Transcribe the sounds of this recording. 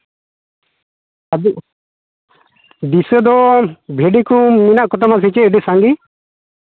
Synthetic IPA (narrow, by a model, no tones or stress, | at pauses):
a | d̪isəd̪ɔbʱeɖikɔminaʔkɔt̪amas̬it͡ʃɛɛɖisaŋɡi